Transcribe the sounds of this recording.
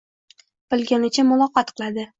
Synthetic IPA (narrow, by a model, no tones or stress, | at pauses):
b̥ɪlˠɡʲanɪt͡ʃʰamʊlˠɒqɒt̪qʰɨlˠad̪ɪ